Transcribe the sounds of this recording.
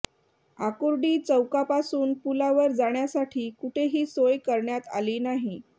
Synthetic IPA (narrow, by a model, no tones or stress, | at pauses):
akuɾɖiːt͡səwkapasuːnpulaʋəɾd͡zaɳjasaʈʰiːkuʈʰeɦiːsojkəɾɳjat̪a̰liːnaɦi